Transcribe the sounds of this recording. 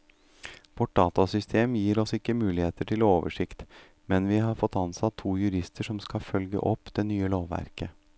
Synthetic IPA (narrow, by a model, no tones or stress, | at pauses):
ʋɔʈ̚ɖɑːt̪ɑsʏst̪ʰeːmjiːɾɔsɪkːəmʉːlɪheːt̪əʈʰɪlɔoːʋə̰ʂɪkt̪ | mɛnʋɪɦɑɾfɔt̪ːɑnsɑt̪ʰːuːjʉɾɪst̪əʂɔmskɑfœlɡə̰ʔɔpːd̪̥ɛnyːəloːʋːæ̰ɾkə